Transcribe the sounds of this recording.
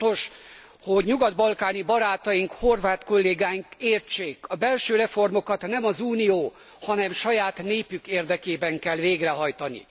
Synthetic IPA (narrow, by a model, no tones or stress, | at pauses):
o̞ʃ | ho̞ɟɲuɡɒd̪bɒlkaːnibɒɾaːt̪ɒjiŋkho̞rvaːt̪ko̞lːeːɡaːjiŋkeːrt͡ʃːeːkɒbɛlʃøːɾɛfo̞rmo̞kɒt̪nɛmɒzuːnijoː | hɒnɛmʃɒjaːt̪neːpykeːrd̪ɛkeːbɛŋkɛlveːɡrɛɦɒjt̪ɒnḭ